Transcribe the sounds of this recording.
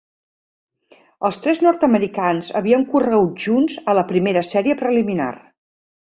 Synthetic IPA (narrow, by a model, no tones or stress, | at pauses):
əlˠst̪ɾɛznɔɾt̪əməɾikanzə̰βiəŋkurəɣut̪ʒunzələpɾimeɾəsɛɾiəpɾəlimina̰r